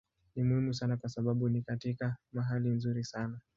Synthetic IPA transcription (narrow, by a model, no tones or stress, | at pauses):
nimuhimusanakwasaɓaɓunikatikamaɦalinzuɾisana